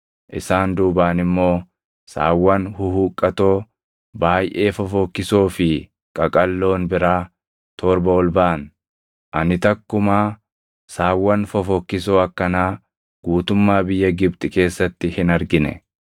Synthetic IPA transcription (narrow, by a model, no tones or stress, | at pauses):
ʔɪsaːnd̪uːbaːnɪmːo̞ː | sa̰ːwːɐnhʊhuːkʼːɐt̪o̞ː | baːjʔe̞ːfɐfɔkːɪsoːfɪ | kʼɐkʼɐlːo̞ːnbɪɾaː | t̪ʰɔːɾbɐɔlbaːn | ʔɐnɪt̪ɐkːʊmaː | saːwːɐnfɐfɔkːɪsoːɐkːɐnaː | ɡ̥uːt̪ʊmːaːbɪjːɐɡɪbt̪ʼɪke̞ːsːɐt̪ːɪhɪnɐɾɡɪnɛ̰